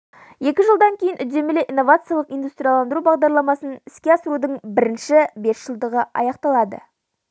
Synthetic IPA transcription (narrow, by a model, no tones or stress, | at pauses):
je̞kʲɪʒəlˠd̪ɑŋkʲʰejɪnʔʏd̪e̞mɪleʔijnːovat̪sɨjɑlˠəqijnd̪ust̪ɾʲijalˠɑnd̪əɾubɑʁd̪ɑɾlˠɑmɑsənɪskʲeɑsəɾud̪əɴbɪɾɪnʃɪbe̞sʒ̥əlˠd̪əʁəɑ̰jɑqt̪ɑlˠɑd̪ə̰